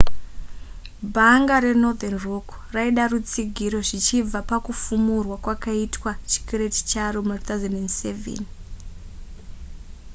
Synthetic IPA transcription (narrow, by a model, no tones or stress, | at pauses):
bʱaŋɡaɾe̞no̞d̪enrokraiɗarut͡siɡʱiɾo̞ʐit͡ʃib͡vapakufumurwakwakaitwat͡ʃi̥keɾeti̥t͡ʃaromat̪awzendendsevḛn